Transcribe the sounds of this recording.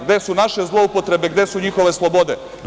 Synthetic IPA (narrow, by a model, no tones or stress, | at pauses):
ɡd̪e̞sunaʃezlˠo̞upo̞t̪ɾe̞beɡd̪e̞suɲixo̞ʋe̞slˠobo̞d̪e